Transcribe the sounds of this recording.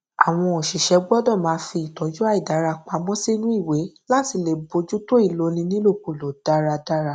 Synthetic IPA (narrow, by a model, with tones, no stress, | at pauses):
a̰˨w̃ɔ̃˧ɔ˨ʃi˨ʃɛ˨˧˦ɡ͡bɔ˦dɔ̃˦˨mãː˨˦fi˧˨tɔ˨˦d͡ʒu˦a˦i˨da˨˦ɾa˧k͡pa˧mɔ̃˦si˦nũ˦i˦˨we˨˦la˦ti˧˦le˨bo˨˧d͡ʒu˦to˦i˦˨lo˨˦nĩ˧nĩ˦lo˦˨ku˨lo˨d̥a˦ɾa˧da˦ɾa˧˨